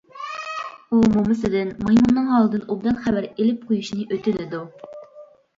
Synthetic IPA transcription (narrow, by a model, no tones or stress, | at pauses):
umumɨsɪd̪ɪnmɑjmunːɨŋɦɑlˠɨd̪ɨnʔobd̪ɑnχæbæɾelɪp̚qʰojuʃnɨʔøt̪ɪnɪd̪u